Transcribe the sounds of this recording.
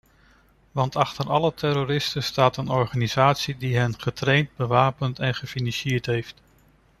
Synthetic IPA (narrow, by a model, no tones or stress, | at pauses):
ʋɑntɑχtəɾɑlətɛroɾɪstəstaːtənɔɹχaːniz̥aːtsidiɦɛnχətrejnt̚bəʋaːpəntɛnχəfinɑnʃɪːɹtɦejft